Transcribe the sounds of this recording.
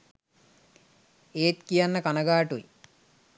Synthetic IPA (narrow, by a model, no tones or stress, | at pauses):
eːt̪kijanːəkanɐɡaːʈuj̰